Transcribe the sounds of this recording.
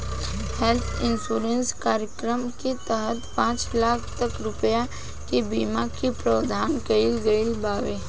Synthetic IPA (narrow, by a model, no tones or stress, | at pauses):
hɛlt̪ʰɪnsuːɾenskaːɾjəkɾəmket̪əɦət̪pãːt͡ʃlaːkʰt̪əkɾʊpəja | kebiːmakipɾəːd̪ʱaːnkəilɡəilbaːʋeː